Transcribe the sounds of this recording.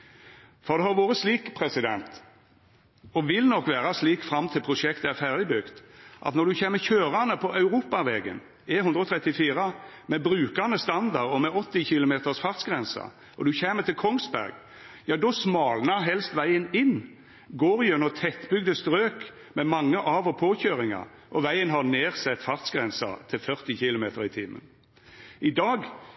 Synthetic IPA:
fɔɾd̪ɛhɑʁʋoːɾəsliːkpʰʁɛsɪd̪ɛ̰nt̪ | ɔʋɪlnɔkːʋæːɾɑsliːkfɾɑmt̪ʰɪlpʰʁʊʂɛkt̪əæʁfæʁd̪ɪbʏkt̪ʔɑ̰t̪nɔd̪ʉçeːməçøːɾɑnəpʰɔʔɑʉɾuːpɑʋɛːɡə̰n | ɪhʉnd̪ɾəɔt̪ʰʁɛt̪ːɪfiːɾɑ | mɛbɾʉːkɑnəst̪ɑnd̪ɑʁɔmɛɔt̪ːɪçɪlʊmeːt̪əʁsfɑʁt̪sɡʁɛnsɑ̰ | ʔɔd̪ʉçɛːmət̪ʰɪlkʰɔŋsbæ̰ɾɡ | jɑːd̪ɔsmɑːlnɑɦɛlst̪ʋæɪənɪnː | ɡoːɾjœnɔt̪ʰɛt̪ːbʏɡd̪əst̪ɾøːk | mɛmɑŋːəʔɑːʋɔpʰoːçøːɾɪŋɑ̰ | ʔɔʋæɪənɦɑneːʁsɛt̪ːfɑʁt̪sɡʁɛnsɑ̰t̪ʰɪlfœʁt̪ɪçɪlʊmeːt̪əɾɪt̪ʰiːmə̰n | ʔɪd̪ɑːɡ

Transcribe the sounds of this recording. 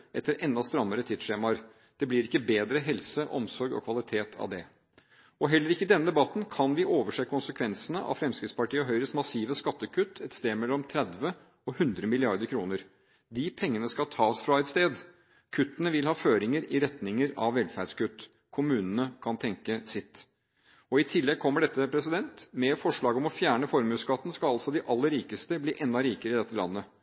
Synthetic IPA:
ʔɛt̪ːəɾɛnd̪ɑst̪ɾɑmːəɾət̪ʰiːd̪ʂeːmɑɾ | d̪̥ɛblɪɾɪkːəbeːd̪ɾəɦɛlsəʔɔmsɔɾɡɔ̰kʰʋɑlɪt̪ʰeːt̪ʰɑ̰ʋd̪ɛ | ɔɦɛlːəɾɪkːəd̪ɛnːəd̪ɛbɑt̪n̩kʰɑnʋɪʔoːʋəʂeːkʰʊnsəkʰʋɛnsənəʔɑ̰fɾɛmskɾɪt̪spɑʈiːəɦœʏɾəsmɑsiːʋəskɑt̪ːəkʰʉt̪ːɛt̪st̪eːdmɛlːɔmt̪ʰɾɛd̪ʋə | ɔhʉnd̪ɾəmɪlɪɑɾd̪əɾkʰɾuːnəɾ | d̪ɪpʰɛŋːənəskɑt̪ʰɑːsfɾɑɛt̪st̪eːd̪ | kʰʉt̪ːənəʋɪlhɑːføːɾɪŋəɾɪɾɛt̪nɪŋəɾɑ̰ʋʋɛlfæɖskʉt̪ː | kʰʊmʉːnənəkʰɑnt̪ʰɛŋkəsɪt̪ː | ɔɪt̪ʰɪlːɛɡ̚kʰɔmːəɖɛt̪ːəpʰɾɛsɪd̪ɛnt̪mɛfɔʂɭɑːɡɔmɔfjæːɳəfɔɾmʉːskɑt̪ːn̩skɑɑlsɔd̪ɪʔɑlːəɾiːkəst̪əbliːʔɛnɑɾiːkəɾəɪd̪ɛt̪ʰːəlɑ̰nːə

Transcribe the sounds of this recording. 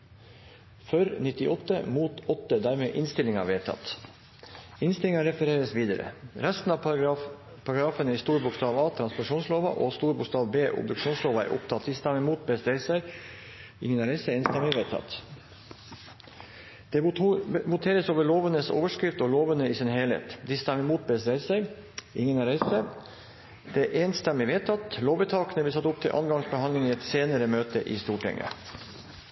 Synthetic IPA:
fœɾnɪt̪ɪʔɔt̪ːə̰muːt̪ɔt̪ːəd̪æːɾmeːʔɪnst̪ɪlɪŋɑ̰ʋeːt̪ʰɑ̰t̪ | ɪnst̪ɪlɪŋɑɾɛfəɾeːɾəsʋiːd̪əɾə̰ɾɛst̪n̩ɑː | pʰɑɾɑɡɾɑːfənəist̪uːɾbʊkst̪ɑːʋɑːt̪ʰɾɑnspɔɾʂuːnsloːʋɑ̰ʔoːst̪uːɾbʊkst̪ɑːʋbeːʔʊ̰b̚d̪ʉkʂuːnsloːʋɑæ̰ɾʔʊ̰pt̪ʰɑt̪ʰɪst̪ɑmɛmuːt̪̚bɛst̪ɾɛɪsəɾ | ɪŋənɑɾɛsəɪnst̪ɑmɛʋet̪ʰɑ̰t̪ | d̪̥ɛbʊt̪ʰeːɾəsoːʋəɭoːʋənəso̰ːʋəʂkɾɪft̪ɔloːʋənəiːsɪnheːlhḛːt̪d̪ɪst̪ɛməmuːt̪̚best̪ɾeɪsæɪ | ɪŋːənæɾɛst̪ɛ | d̪̥ɛʔɛnst̪ɛmɪʋeːt̪ʰɑt̪loːʋət̪ʰɑːkənəbɪsɑt̪ːʊp̚t̪ʰɪlʔɑ̰nɡɑŋsbəhɑnlɪŋiːɛt̪seːnəɾəmøːt̪əʔiːst̪uːʈʰɛ̰ŋə̰

